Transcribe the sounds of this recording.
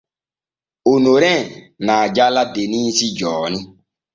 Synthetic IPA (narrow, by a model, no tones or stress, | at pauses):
onoɾɛ̃ | naad͡ʒaladenisid͡ʒɔːni